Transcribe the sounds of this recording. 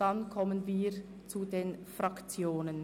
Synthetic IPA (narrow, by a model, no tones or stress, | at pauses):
d̥ankʰɔmənviː | t͡sudeːnfʁakt͡sjoːnən